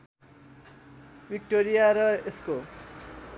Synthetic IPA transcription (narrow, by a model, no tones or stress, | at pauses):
bik̚ʈoɾijaɾʌesko